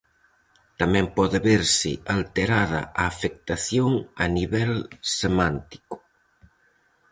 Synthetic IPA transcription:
t̪amɛ̃mpɔðɪβeɾsɪ̰alt̪eɾað̞ɐ̰aːfek̚t̪aθjoŋaniβɛlsemant̪i̥kʊ̥

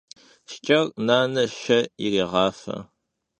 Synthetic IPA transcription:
ʃt͡ʃʼɐrnaːnɐʃɐiriːʁɑːfɐ̰

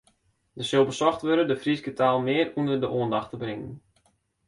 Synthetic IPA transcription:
dəsɪlˠbəsɔxtʋøɾədəfrisɡətaːlˠmɪərundərdəʔoəndɑxtəbrɪŋə̰n

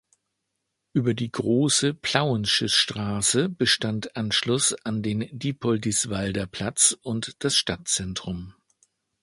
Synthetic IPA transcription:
ʔyːbɐdiːɡʁoːsəpʰl̥aʊənʃʏsʃtʁ̥aːsəb̥əʃtantʔanʃlʊsandeːndiːpʰɔldisv̥aldɐpʰl̥at͡sʊntd̥asʃtat̚t͡sɛntʁ̥ʊm

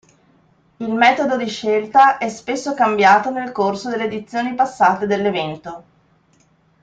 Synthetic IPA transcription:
ilmɛːt̪od̪od̪iʃelt̪aʔɛspesːokambjaːt̪onelkorsod̪elːeːd̪it̪sːjoːnipasːaːt̪ed̪elːevɛnt̪o

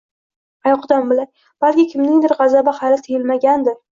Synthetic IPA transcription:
ajɒqd̪anbɪlaɾ | b̥alkʲɪkʲʰɪmnɪŋd̪ɪɾʁɑzabahalɪt̪ʰejɪlmaɡʲand̪ɪɾ

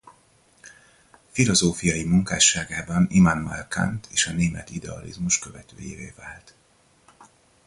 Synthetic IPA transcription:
filo̞zoːfijɒjimuŋkaːʃːaːɡaːbɒnimanma̰lkʰa̰nt̪ʰeːʃɒneːmɛt̪id̪ɛɒ̰lḭzmuʃkø̞vɛt̪ø̰ːjeːveːvaːlt̪

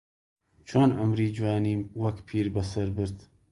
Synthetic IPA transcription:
t͡ʃʰonʔɐmɾiːd͡ʒwaːniːwɐkpʰiːɾbɐsɐɾbɨɾd̪

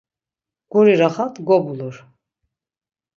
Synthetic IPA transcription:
ɡ̥uɾiɾaχat̪ʰɡɔbuluɾ

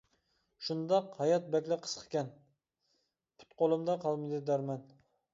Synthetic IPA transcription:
ʃund̪ɑqhɑjɑt̪̚bɛkʲlɪqʰːə̥sqʰə̥kʲɛn | pʰy̥t̪qʰolˠɨmd̪ɑqʰɑlˠmɨd̪ɪd̪æɾmɛn

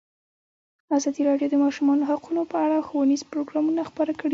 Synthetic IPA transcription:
azɑd̪iɾɑɖjod̪əmɑʃumɑnoɦaqunopəaɽaxowanizpɾoɡɾɑmunaxpəɾakəɽi

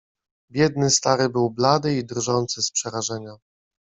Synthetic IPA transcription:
bʲjɛd̪̚nɘst̪aɾɘbɘwblad̪ɘid̪rʐɔnt̪sɘspʂɛɾaʐɛɲa

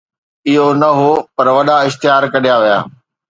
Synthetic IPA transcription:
ɪɦonɐɦopɐɾʋɐɗaɪʃt̪ɪjaːɾkɐɗijaʋija̰ː

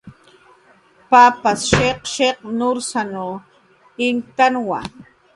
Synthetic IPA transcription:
papasʃeqʃeq̚nʊɾsano | ɪŋt̪anwa̰

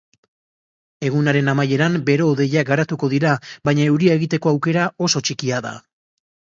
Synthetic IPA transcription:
e̞ɣunaɾe̞namaje̞ɾambe̞ɾo̞ðe̞ʎaɡaɾat̪uko̞ðiɾaβajɲae̞wɾiaeɣit̪e̞ko̞awke̞ɾao̞so̞t͡ʃikiaða̰

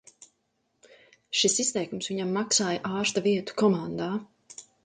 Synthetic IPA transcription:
ʃisist̪ɛjkumsviɲamːaksaːjaʔaːɾst̪aviɛt̪u̥kɔmand̪aː

